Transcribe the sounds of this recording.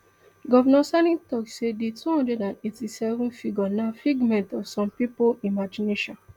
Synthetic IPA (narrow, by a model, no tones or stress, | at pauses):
ɡɔvɔnɔsanĩtɔksedetuhɔ̃ndɹɛdãnetisɛvɔ̃nfiɡɔnafiɡmɛ̃ntɔfsɔ̃mpipoimad͡ʒineʃɔ̃n